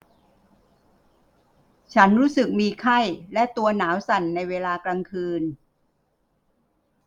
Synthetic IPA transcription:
t͡ɕʰa˦˥nɾuː˦˥sɯ˨˩k̚miː˧kʰa˥˩jlɛ˦˥ʔt̪u˧ɐnaː˩˦wsa˨˩nːa˧jweː˧laː˧klaː˧ŋkʰɯː˧n

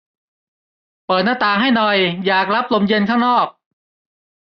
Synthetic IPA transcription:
pɤː˨˩t̪̚naː˥˩t̪aː˨˩ɦa˥˩jnɔ˨˩jjaː˨˩k̚ɾa˦˥p̚lo˧mje˧nkʰaː˥˩ŋnɔː˥˩k̚

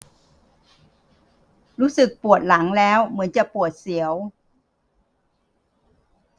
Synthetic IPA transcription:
ɾuː˦˥sɯ˨˩k̚pu˨˩ət̪̚la˩˦ŋlɛː˦˥wmɯ˩˦ənt͡ɕa˨˩pu˨˩ət̪̚si˨˩˦əw

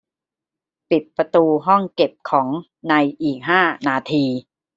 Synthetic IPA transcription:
pi˨˩t̪̚pɾa˧t̪uː˧ɦɔ˥˩ŋke˨˩p̚kʰɔː˩˦ŋ | na˧jʔiː˨˩k̚ɦaː˥˩naː˧t̪ʰiː˧

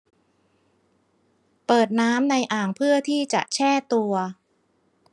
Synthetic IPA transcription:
pɤː˨˩t̪̚naː˦˥mna˧jʔaː˨˩ŋpʰɯ˥˩ɐt̪ʰiː˥˩t͡ɕa̰˨˩ʔt͡ɕʰɛː˥˩t̪u˧ɐ

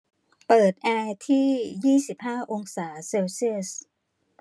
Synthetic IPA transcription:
pɤː˨˩t̪̚ʔɛː˧t̪ʰiː˥˩jiː˥˩si˨˩p̚haː˥˩ʔo˧ŋsaː˩˦seː˧wsi˥˩əs

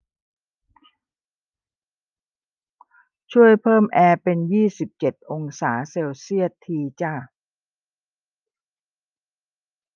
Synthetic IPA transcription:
t͡ɕʰu˥˩əjpʰɤː˥˩mʔɛː˧pe˧njiː˥˩si˨˩p̚t͡ɕe˨˩t̪̚ʔo˧ŋsaː˩˦seː˧wsi˥˩ət̪ʰːiː˧t͡ɕa˥˩

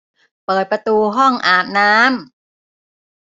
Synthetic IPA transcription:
pɤː˨˩t̪̚pɾa˧t̪uː˧ɦɔ˥˩ŋʔaː˨˩t̪̚naː˦˥m

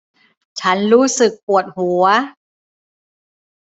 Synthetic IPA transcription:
t͡ɕʰa˦˥nɾuː˦˥sɯ˨˩k̚pu˨˩ət̪̚hu˩˦ɐ

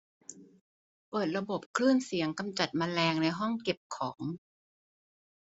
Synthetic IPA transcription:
pɤː˨˩t̪̚ɾa˧bo˨˩p̚kʰlɯː˥˩nsi˨˩˦əŋka˧mt͡ɕa˨˩t̪̚maː˧lɛː˧ŋna˧jɦɔ˥˩ŋke˨˩p̚kʰɔː˩˦ŋ

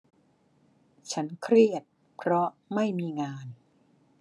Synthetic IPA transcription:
t͡ɕʰa˦˥nkʰɾi˥˩ət̪̚ | pʰɾɔ˦˥ma˥˩jmiː˧ŋaː˧n

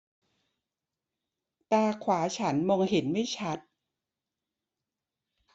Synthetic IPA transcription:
t̪aː˧kʰwaː˩˦t͡ɕʰa˦˥nmo˧ŋhe˩˦nma˥˩jt͡ɕʰa˦˥t̪̚

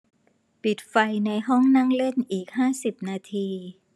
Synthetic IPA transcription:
pi˨˩t̪̚fa˧jna˧jɦɔ˥˩ŋna˥˩ŋle˥˩nʔiː˨˩k̚haː˥˩si˨˩p̚naː˧t̪ʰiː˧

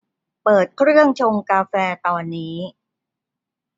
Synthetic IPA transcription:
pɤː˨˩t̪̚kʰɾɯ˥˩əŋt͡ɕʰo˧ŋkaː˧fɛː˧t̪ɔː˧nːiː˦˥

